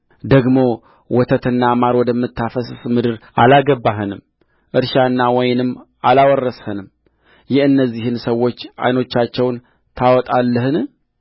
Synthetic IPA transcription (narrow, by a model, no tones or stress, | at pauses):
d̪əɡmo̞ | wɔt̪ʰət̪ʰɨnːamaɾwɔd̪əmːɨt̪ʰːafəssmɨd̪ɨɾʔalaɡəbːaɦɨnɨm | ʔɨɾʃanːawɔjnɨmːʔalawɔrːəshənɨm | jɪhɨnːəzːihɨnsəwːo̞t͡ʃːa̰jno̞t͡ʃːat͡ʃːɛwn | t̪ʰawɔt̪ʼalːəhɨn